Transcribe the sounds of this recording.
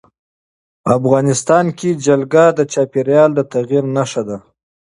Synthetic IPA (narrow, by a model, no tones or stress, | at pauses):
afɣɑnɪst̪ɑnkid͡ʒalɡad̪ət͡ʃɑpeɾjɑld̪ət̪aɣiɾnaʂad̪a